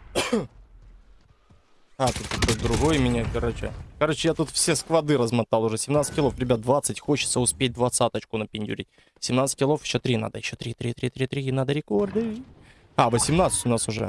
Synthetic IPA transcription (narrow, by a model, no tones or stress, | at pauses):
at̪ut̪ːɐkojd̪ɾʊɣojmʲɪnʲakɐɾot͡ɕɪ̰kɐɾo̞t͡ɕːɪjat̪ut̪fsʲeskvɐd̪ɨɾəzmɐt̪alˠʊʐɛsʲɪmnat̪sɨ̥tʲkɪlˠo̞fɾʲɪbʲat̪̚d̪vat̪sɨtʲxot͡ɕɪ̥t̪səʊspʲet̚ʲd̪vɐt̪sat̪ət͡ɕkʊnəpʲɪnʲdʲʊ̰ɾʲḭt̚ʲ | sʲɪmnat̪sɨ̥tʲkʲɪlˠo̞fjɪɕːo̞t̪ɾʲina̰d̪əjɪɕːot̪ɾʲit̪ɾʲit̪ɾʲit̪ɾʲit̪ɾʲinad̪əɾʲɪko̞rd̪ɨi | avəsʲɪmnat̪sə̥tʲʊnasʊʐɛ̰